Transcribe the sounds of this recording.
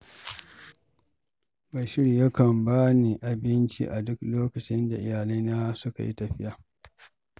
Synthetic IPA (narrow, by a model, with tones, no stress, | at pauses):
ba˨jʃɪ˦ɽi˨jɐ˦kɐ˨mbaː˦ni˨ʔa˨bɪ˦nt͡ʃḭ˦ʔa˨dʊ˦kloː˦kɐ˨t͡ʃɪ˦nda˨ʔɪ˨jaː˨liː˦naː˦sʊ˦ka̰˨jḭ˦tɐ˨ɸɪ˦jaː˨